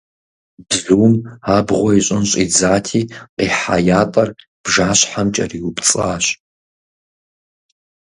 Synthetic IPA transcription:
bzuːmaːbʁʷɔiɕʼɪnɕʼid͡zaːtʰiːqiːħajaːtʼɐr | b̥ʒaːɕħamt͡ʃʼɐ̰riːwʊbt͡sʼaːɕ

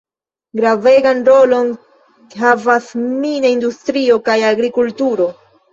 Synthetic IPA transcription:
ɡɾave̞ɡanɾo̞lo̞n | ɦavasminaindustɾio̞kajaɡɾikultuɾo̞

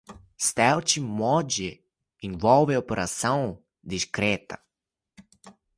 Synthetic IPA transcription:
st̪ɛwt͡ʃimɔd͡ʒɪ | ẽvɔwvɪopeɾʔasɐ̃w̃ | d̪iʃkɾɛt̪ɐ

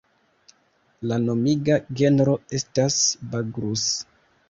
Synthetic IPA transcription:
lano̞miɡaɡe̞nɾo̞e̞stasbaɡɾus

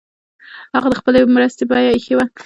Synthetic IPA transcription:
haɣad̪əxpəlemɾəst̪ebɑjaxewa

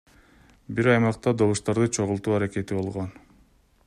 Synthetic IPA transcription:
biɾɑjmɑqt̪ɑd̪o̞βuʃt̪ɑɾd̪ɯt͡ʃʰo̞ʁulˠt̪uːɑɾake̞t̪ibo̞lˠʁon

